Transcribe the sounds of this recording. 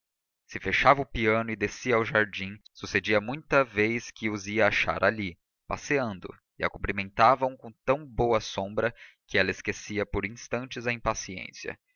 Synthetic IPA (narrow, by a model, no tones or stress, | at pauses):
sɪfeʃavɐʊpiɐ̃nʊɪd̪esiɐawʒaɾd͡ʒĩsused͡ʒiɐmũj̃t̪ɐvejskɪʊziɐaʃa̰ɾʔali | paseɐ̃nd̪ʊ̰ | ɪa̰kũmplimẽnt̪avɐ̃w̃kõt̪ɐ̃w̃bowɐsõbɾɐkɪɛlɐeskesiɐpoɾĩst̪ɐ̃nt͡ʃɪzɐĩpasiḛ̃sjɐ̰